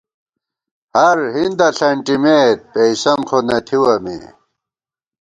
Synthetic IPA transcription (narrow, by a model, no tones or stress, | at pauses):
hɐɾhind̪ɐɬɐɳʈimeːt̪̚peisɐmkʰonɐt̪ʰiwɐmḭ